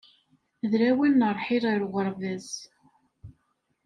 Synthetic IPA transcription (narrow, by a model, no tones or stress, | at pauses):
ðɾæwinːəɾˤħiɾˤəɾʁəɾˤvæz